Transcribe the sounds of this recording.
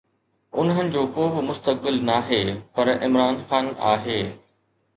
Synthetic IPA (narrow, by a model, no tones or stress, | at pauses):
ʊ̰nɦənɪ̆d͡ʑoːkoːbɪmʊst̪ək̚bɪlnaːɦeːpɐɾɪ̰mɾaːnxaːna̰ːɦeː